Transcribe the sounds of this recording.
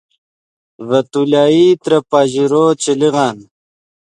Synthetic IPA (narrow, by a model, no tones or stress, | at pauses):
vɐt̪ulaːit̪ɾɐpaːʑiɾoːt͡ɕiliɣɑːn